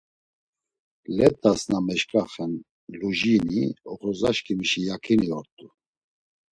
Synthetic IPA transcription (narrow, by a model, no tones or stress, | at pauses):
lɛt̪ʼːasnamɛʃkʼaχɛn | luʒiniɔχɔzaʃkʰiməʃijakʰiniɔɾt̪ʼu